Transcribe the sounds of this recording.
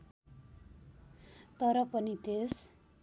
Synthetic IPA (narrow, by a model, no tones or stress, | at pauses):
t̪ʌɾʌpʌnit̪es